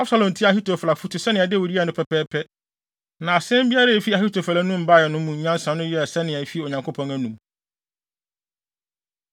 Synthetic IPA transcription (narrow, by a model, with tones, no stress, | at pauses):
a˦bsa˨lɔ̃˨n˨tʰi˦a˨hi˦tʰo˨fa˨fu˦tʰɪ˨sɛ˦nɪ̃˨ɛ˨dɪ˦wo˨ɾi˦a˨nʊ̃˦pʰɛ˨pʰɛː˦pʰɛ˦ | nã˨a˨sɛ̃˦m˦bi˦a˦ɾa˦e˨fi˦a˨hi˦tʰo˨fa˨la˨˦nũ˦m̩˨ba˦˨jɛ˨nʊ̃˦mũ˨ɲ˨˦ɲã˦n˦sã˨nʊ̃˦jɛ˦˨sɛ˦nɪ̃˨æ˨fi˦o˨ɲã˨ŋkʰo˦pʰɔ̃˨næ̃˦nũ˨m